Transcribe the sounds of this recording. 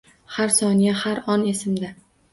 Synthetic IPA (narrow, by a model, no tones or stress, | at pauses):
haɾsɒnijahaɾɒnesɪmd̪a